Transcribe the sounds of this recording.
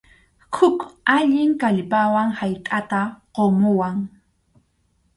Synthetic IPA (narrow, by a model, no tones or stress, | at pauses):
hʰʊkaʎɪŋkaʎpawaŋhajkʼat̪aqomʊwaŋ